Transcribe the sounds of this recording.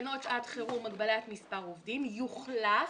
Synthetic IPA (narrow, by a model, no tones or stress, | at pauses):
no̞tad̪χeʁumaɡbalat̪mispaʁovdimjuχla